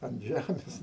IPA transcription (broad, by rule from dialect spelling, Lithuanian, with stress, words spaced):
ɐn ˈʒʲæmʲeːs